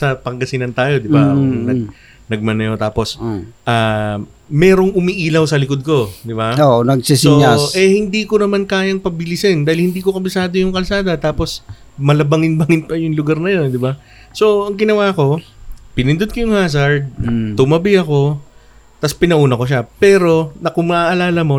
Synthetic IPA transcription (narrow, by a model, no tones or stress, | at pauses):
sɐpɐŋɡɐsɪnɐnt̪aːjo̞d̪ɪbaonɐɡ̚ | nɐɡ̚mɐnɐjo̞t̪aːpo̞sʔɐː | mɛːɾo̞ŋʔʊmiʔiːlɐwsɐlɪkod̪̚ko̞d̪ɪbaoʔnɐɡsissoaʔɛhɪnd̪iːkonɐmankaːjɐŋpɐbɪlɪsɛnd̪aːhɪlhɪnd̪iːkokɐbɪsaːd̪ojʊŋkɐlsaːd̪ɐt̪aːpo̞s | mɐlɐbɐŋɪnbɐŋɪnpɐjʊŋlʊɡaɾnɐjo̞nd̪ɪba | so̞ɐŋɡɪnɐwaːko̞pɪnɪnd̪od̪̚kɐjʊŋhaːs̬ɐɹd̪̚t̪ʊmɐbɪɐko̞ | t̪ɐspɪnɐʔuːnɐko̞ʃapɛːɾo̞nɐkʊmɐʔɐlaːlɐmo̞